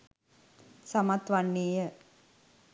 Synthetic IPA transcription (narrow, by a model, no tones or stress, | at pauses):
samat̪ʋanːeːjə